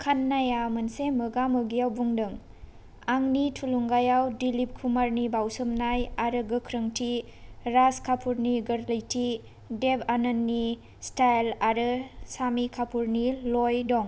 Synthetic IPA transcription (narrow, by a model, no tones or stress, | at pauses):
kʰanːajamɐnsemɯɡamɯɡijawbuŋdɯŋ | aŋnitʰuluŋɡajawdilip̚kʰumaɾnibawsɯmnajaɾɯɡɯkʰɾəŋtʰiɾaskʰapʰuɾniɡɐɾlɐjtʰi | debʰanɐnːi | stajlaɾɯsamikʰapʰuɾnilojdɔŋ